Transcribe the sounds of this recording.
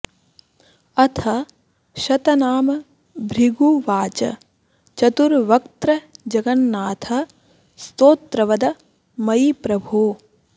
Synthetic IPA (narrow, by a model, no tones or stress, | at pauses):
ɐt̪ʰɐ | ʃɐt̪ɐnaːmɐ | bʱɾiɡuʋaːt͡ʃɐ̰ | t͡ʃɐt̪uɾʋɐkt̪ɾɐd͡ʒɐɡɐnːaːt̪ʰɐ | st̪oːt̪ɾɐʋɐd̪ɐ | mɐipɾɐbʱoː